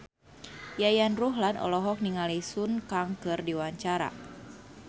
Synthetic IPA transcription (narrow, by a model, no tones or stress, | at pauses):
jajanruɦlanɔ̰lɔɦɔk̚niŋalisunkaŋkɨrdiwaɲt͡ʃaɾa̰